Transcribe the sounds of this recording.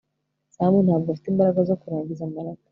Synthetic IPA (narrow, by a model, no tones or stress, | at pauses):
sahmunabɡafi̥teimbaɾaɡazokuɾaːɲɟizambaɾaɡa